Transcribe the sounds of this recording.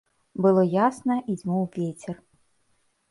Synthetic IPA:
bɨlˠɔjasnɐʔid͡zʲmɔwvʲet͡sʲɛr

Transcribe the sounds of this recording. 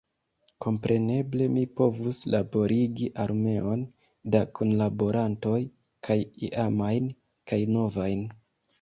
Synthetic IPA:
ko̞mpɾʔe̞ne̞ble̞mipo̞vuslabo̞ɾiɡiʔaɾme̞o̞n | dakʰonlabo̞ɾanto̞j | kʰajḭʔamajn | kajno̞vajn

